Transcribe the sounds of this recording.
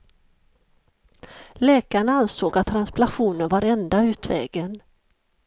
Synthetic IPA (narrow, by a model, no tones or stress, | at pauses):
lɛːkaɳaansoːɡat̪ʰːɾansblaɧuːnənvaɾɛnd̪aʉ̟ːt̪vɛ̰ːɡən